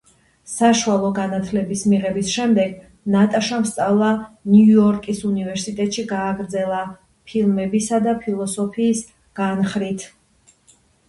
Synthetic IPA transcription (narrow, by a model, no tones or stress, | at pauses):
saʃualˠɔɡanat̪ʰlɛbismiʁɛbisʃɛmd̪ɛɡ | nat̪ʼaʃamst̪sʼavlˠanjuɔɾkʼisunivɛɾsit̪ʼɛt̪ʼʃiɡaːɡɾd̪zɛlˠa | pʰilˠmɛbisad̪apʰilˠɔsɔpʰiːs | ɡ̥anχɾit̪ʰ